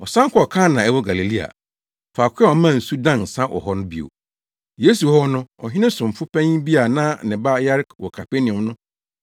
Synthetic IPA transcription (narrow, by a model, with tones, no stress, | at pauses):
ɔ˨sã˦ŋ̩˦kʰɔ˦ɔ˨kʰã˦nã˨ɛ˦wɔ˦ɡa˨li˨li˦a̰˨ | faː˨kʰʷʊ˦ɛ˦ɔ˨mã˦˨n̩˨su˦dã˦˨n˨sã˦ʔɔ̰˨hɔ˦nʊ̃˦bḭ˨o̰˨ | je˦su˨hɔ˦nʊ̃˦ɔ˨ɦɪ̃˦nɪ̃˦sʊ̃˨m̩˨fʊ˦pʰɛ̃˦ɲ˦bi˦a˨nã˦nɪ̃˨ba˦ja˦ɾkwɔ˨kʰa˨pe˦nĩ˨ʊ˨nʊ̃˦